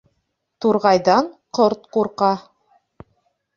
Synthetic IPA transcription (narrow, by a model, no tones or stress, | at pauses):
t̪uɾʁɑjðɑɴqoɾt̪quɾqɑ